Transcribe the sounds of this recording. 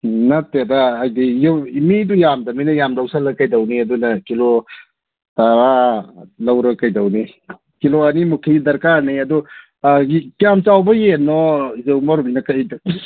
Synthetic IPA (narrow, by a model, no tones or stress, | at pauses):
nɐtːeɾaːjdijimidujamdɐminɐjamdɐwsalɐkɐjdɐwniɐdunɐkilo | taɾalɐwɾɐkɐjdɐwni | kiloɐnimukʰidɐɾkaɾniɐdɔ | ikijamt͡ʃawbɐjenːɔzewmɔɾubinɐkajdɐ